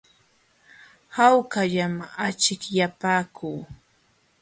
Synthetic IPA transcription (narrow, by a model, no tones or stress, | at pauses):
hawkaʎamat͡ʃɪkjapaːkʰuː